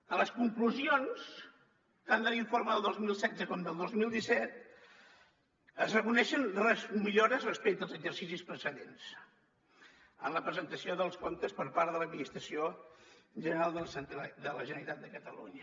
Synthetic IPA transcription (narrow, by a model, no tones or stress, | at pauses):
ələskuŋkluzions | t̪and̪əliɱfoɾməðəlˠd̪ozmilˠsɛzəkɔmd̪əlˠd̪ozmilˠd̪isɛt̪̚ | əzrəkunɛʃənrɛzmiʎoɾəzrəspɛk̚t̪əlˠzəɡzərsisispɾəsəðens | ə̰nləpɾəzənt̪əsioðəlˠskont̪əspəɾpaɾðələd̪̚minist̪ɾəsio | ʒənəɾalˠd̪əsnt̪d̪ələʒənəɾit̪at̪̚d̪əkət̪əlṵɲə